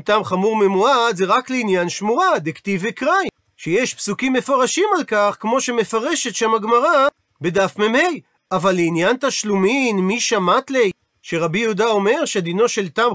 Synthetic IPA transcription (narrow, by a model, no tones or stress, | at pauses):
t̪amχamuʁmemuad̪zeʁakleinjanʃmuʁad̪ekt̪ivekʁaj | ʃejeʃpsukimːe̞foʁaʃimalkaχkmo̞ʃe̞me̞faʁeʃe̞t̪ʃamaɡmaʁa | bed̪afmemej | avalːeinjant̪aʃluminmiʃamat̪lej | ʃeʁabijud̪ao̞me̞ʁʃed̪ino̞ʃe̞lt̪am